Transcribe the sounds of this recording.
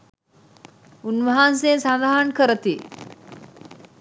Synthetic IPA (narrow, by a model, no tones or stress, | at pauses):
unʋəɦansensand̪aɦankəɾət̪i